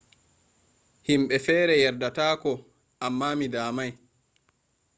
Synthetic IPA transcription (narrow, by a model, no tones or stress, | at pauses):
himɓɛfɛːɾɛjɛɾdataːkɔ | ʔamːaːmidaːmaj